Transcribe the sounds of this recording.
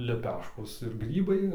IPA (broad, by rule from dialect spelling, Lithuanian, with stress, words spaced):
lʲɛˈpʲæːʃkoːs ɪr ˈɡrʲiːbɐɪ